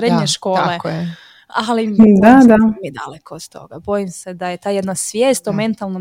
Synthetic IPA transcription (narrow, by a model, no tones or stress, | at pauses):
ɾed̪ɲɲeʃko̞ːle | alid̪ad̪amid̪a̰lekʰod̪t̪o̞̰ɡabo̞jimsed̪ajet̪aːjed̪nasʋjeːst̪ome̞nt̪alˠnom